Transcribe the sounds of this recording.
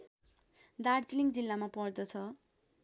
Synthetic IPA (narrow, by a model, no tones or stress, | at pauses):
d̪aɽt͡siliŋɡd͡zilːamapʌrd̪ʌt͡sʰʌ